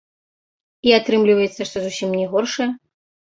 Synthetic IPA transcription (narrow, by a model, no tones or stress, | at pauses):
iat̪ɾɨmlʲivɐjɛt̪sːɐʂt̪ɔzusʲimnʲɛɣɔrʂɐjɐ